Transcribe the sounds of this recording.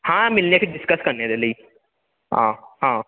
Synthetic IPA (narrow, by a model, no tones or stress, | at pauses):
hãːmɪlnepʰiɖɪskəskɐɾned̪eləiː | ã̰ːhãː